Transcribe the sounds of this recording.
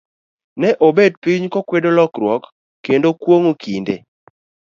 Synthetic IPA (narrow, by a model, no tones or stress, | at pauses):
nɛʔobed̚piɲkokwedolɔkɾwɔkː | endokwoŋokʰindḛ